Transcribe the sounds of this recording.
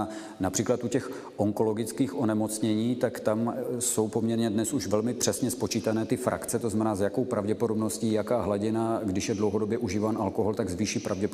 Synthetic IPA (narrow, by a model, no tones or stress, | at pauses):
napr̥iːklat̪ʔucɛx | ʔo̞ŋko̞lo̞ɡɪt͡skiːxʔo̞nɛmo̞t͡sɲɛɲiːt̪akt̪amso̞wpomɲɛɾɲɛdnɛsuʃvɛlmɪpr̥ɛsɲɛspo̞t͡ʃiːt̪anɛːt̪ɪfɾa̰kt͡sɛt̪oznamɛnaːzjako̞wpɾavɟɛpodo̞bno̞sciːjakaːɦlaɟɪnaɡdɪʃjɛdlowɦodo̞bjɛʔuʒiːvaːnʔalkoɦolt̪aɡzviːʃiːpɾavɟɛp